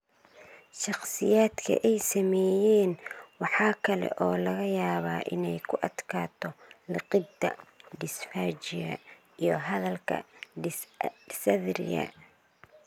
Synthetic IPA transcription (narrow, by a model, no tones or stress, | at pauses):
ʃɑqsɪjaːd̪kʰɐ̰ʔɛjsɐmɛːjɛːnwɑħɑːkʰɐlɛ̰ʔɔːlɐɣɐjaːβaːʔɪnɛjkʰʊʔɐd̪kʰaːt̪ʰɔlɪqɪd̪ɐ̰ɖɪsfaːt͡ʃɪɣɐ̰ | ijɞɦɐðɐlkʰɐ̰ | ɪsɐðɾɪ̰ɣɐ̰